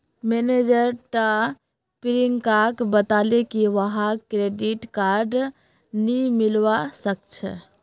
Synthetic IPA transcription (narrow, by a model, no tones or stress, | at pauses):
mened͡ʒəɾʈa | piɾiŋkakbət̪alekiʋəɦãkɾeɖiʈkaɾɖ | nimilʋasək̚t͡ʃʰə̰